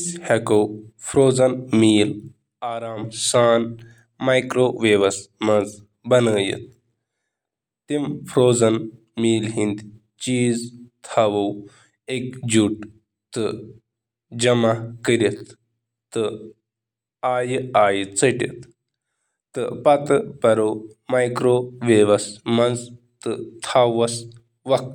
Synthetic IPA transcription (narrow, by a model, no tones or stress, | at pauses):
shɐkowfʰɾoːzɐnmiːl | aːɾaːmsaːn | maːjkɾoːʋeːʋɐsmɐz | bɐnəːjḭt̪̚ | t̪imfʰɾoːzɐn | miːlɦind̪ | t͡ʃiːzt̪ʰɐʋɐw | ekd͡ʒuʈ | t̪ɨ | d͡ʒɐmakəɾʲit̪ː | ɨ | aːjaːjt͡səʈḭt̪ | t̪ɨpɐt̪ɨpɐɾo | majkɾoʋeːʋɐsmɐnd͡z | t̪ɨt̪ʰaːʋɐs | ʋɐk̪̚